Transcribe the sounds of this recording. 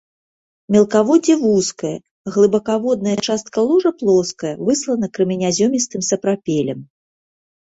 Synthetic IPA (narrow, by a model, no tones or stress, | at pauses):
mʲɛlˠkavɔd͡zʲɛvuskɐjɐ | ɣlˠɨbɐkavɔd̪̚nɐjɐt͡ʂast̪̚kɐlˠuʐɐplˠɔskɐjɐvɨslˠɐnɐkɾɨmʲinʲazʲɔmʲist̪ɨmsɐpɾapʲɛlʲɛm